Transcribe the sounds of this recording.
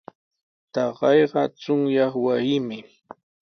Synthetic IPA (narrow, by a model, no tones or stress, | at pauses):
t̪ɑɢɑjɢɑt͡sʊŋjɑχwasɪmɪ